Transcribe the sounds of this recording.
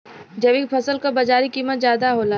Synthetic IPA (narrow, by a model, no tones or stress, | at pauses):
d͡ʒɐʋikpʰɐsəlkabɐd͡ʒaːɾikiːmət̪zjaːd̪aɦoːla